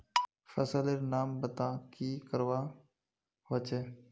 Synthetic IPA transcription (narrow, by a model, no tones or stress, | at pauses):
fəsəleɾnaːmbət̪aːkikəɾwaː | ɦət͡ʃeː